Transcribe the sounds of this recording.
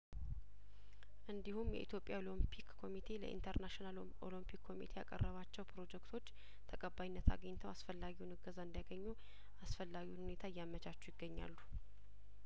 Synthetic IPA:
ʔɨnd̪ihumjɛ̰ʔit̪ʰjo̞pʼjalompʰikkʰːo̞mit̪ʰe̞lə̰ʔḭnt̪ʰəɾnaʃinal | o̰limpʰikːo̞mḭt̪ʰeja̰kʼə̰rːəβat͡ʃːɛwpʰɾo̞d͡ʒɛkt̪ʰo̞t͡ʃː | t̪ʰəkʼəbajnːət̪ʰa̰ɡəɲt̪ʰəwasfəlːaɡiwunɨɡəzaɨnd̪jaɡəɲːu | asfəlːaɡiwunhune̞t̪ʰaɨjːamət͡ʃʰʼat͡ʃːujɪɡːəɲːa̰lːu

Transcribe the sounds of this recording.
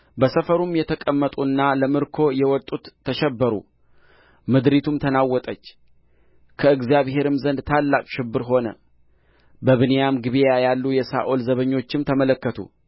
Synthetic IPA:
bəsəfəɾumjɛt̪ʰəkʼəmːət̪ʼuɨnːaləmɨɾkʰo̞jɛwɔt̪ʼːut̪ʰːəʃɛbːəɾṵ | mɨd̪ɾit̪ʰumt̪ʰənawːɔt̪ʼət͡ʃː | kʰəɨɡzijaβhe̞ɾɨmzənd̪t̪ʰalːakʼʃɪbːɨɾɦo̞nə̰ | bəβɨnejamɡɨβijajalːujɛsa̰ʔolzəβəɲːo̞t͡ʃːɪmt̪ʰəmələkːət̪ʰṵ

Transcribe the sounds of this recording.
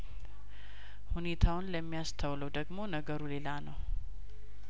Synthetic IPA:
hune̞t̪ʰawʊnləmːijast̪ʰəwləwd̪əɡmo̞nəɡəɾule̞lanəw

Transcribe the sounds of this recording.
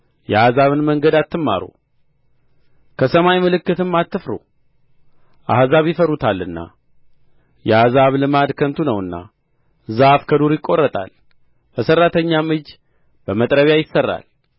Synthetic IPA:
jɛazaβɨnməŋɡəd̪at̪ʰːɨmːa̰ɾo̰ | kʰəsəmajmɨlɨkːɨt̪ɨmːat̪ːɨfɾo̰ | ʔahzaβjɪfəɾut̪ʰalːɨnːa̰ | jɛazaβlɨmad̪kʰənt̪ʰunəwɨnːa̰ | zafkʰəd̪uɾjɪkʼːo̞rːət̪ʼa̰l | bəsərːat̪ʰəɲːamɨd͡ʒ | b̥əmət̪ʼɾəβjajɪsːərːa̰l

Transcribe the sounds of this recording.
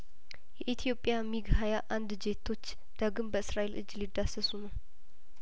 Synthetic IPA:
jɛʔit̪ʰjo̞pʼːjamiɡhajaʔand̪d͡ʒe̞t̪ʰːo̞t͡ʃː | d̪̥aɡɨmbəɨsɾaʔelʔɨ̰d͡ʒːlid̪ːasəsunəw

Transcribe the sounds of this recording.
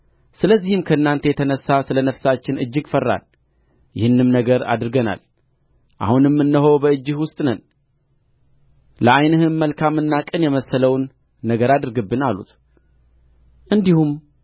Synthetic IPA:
sɨləzːihɨmkʰəɨnːant̪ʰejɛt̪ʰənəsːasɨlənəfsat͡ʃːɪnɨd͡ʒːɪɡfərːa̰l | jɪhɨnːɨmnəɡəɾa̰d̪ɾɨɡəna̰l | ʔa̰hunɨmːɨnːəɦo̞wbəɨd͡ʒːɨhwʊst̪ʼnən | ləʔajnəhɨmːəlkʰamːɨnːakʼɨnjɛməsːələwnː | əɡəɾad̪ɨɾɡɨbːɨnalṵt̪ | ʔɨnd̪ihum

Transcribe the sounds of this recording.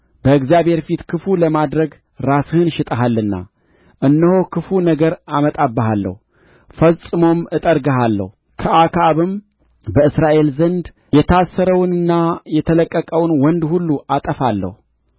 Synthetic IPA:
bəɨɡzjaβhe̞ɾfit̪kʰɨfuləmad̪ɾəɡ | ɾasɨhɨnʃɪt̪ʼəɦalːɨnːa̰ | ʔɨnːəhokʰɨfunəɡəɾamət̪ʼabːəɦalːə̰hu | fəsʼɨmo̞mɨt̪ʼəɾɡəɦalːə̰hu | kʰəʔakʰaβɨm | bəɨsɾaʔe̞lzənd̪ | jɛt̪ʰasːəɾəwnɨnːajɛt̪ʰələkʼːəkʼəwnwɔnd̪hulːuʔat̪ʼəfalːə̰hu

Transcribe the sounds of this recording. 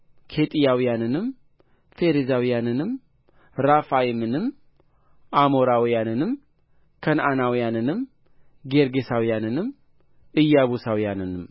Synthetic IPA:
kʰet̪ʼijawijanɨnɨm | feɾezawijanɨnɨm | ɾafajimɨnɨm | ʔamoɾawijanɨnɨm | kʰənanawijanɨnɨm | ɡeɾɡesawijanɨnɨm | ɨjːaβusawijanɨnɨm

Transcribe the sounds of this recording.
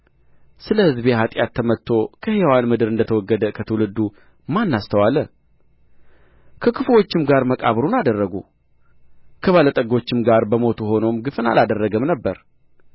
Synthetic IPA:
sɨləhɨzbeɦat̪ʼjat̪ʰːəmət̪ʰːo̞kʰəhewanmɨd̪ɨɾɨnd̪ət̪ʰəwɔɡːəd̪əkʰət̪ʰəwlɨd̪ːu | manːast̪ʰəwalə | kʰəkʰɨflo̞t͡ʃːɪmɡaɾməkʼa̰βɾunad̪ərːəɡu | kʰəβalət̪ʼəɡo̞t͡ʃːɪmɡaɾbəmo̞t̪ʰuɦo̞no̞mɡɨfɨna̰lad̪ərːəɡəmnəbːəɾ

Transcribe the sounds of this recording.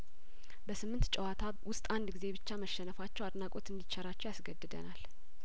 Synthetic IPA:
bəsɨmːɨnt̪t͡ʃʼɛwat̪ʰa | wʊst̪ʼand̪ɡize̞bɨt͡ʃːaməʃɛnəfat͡ʃːɛwad̪nakʼo̞t̪ʰɨnd̪it͡ʃːɛɾat͡ʃːɛwjasɡəd̪ɨd̪ə̰nal

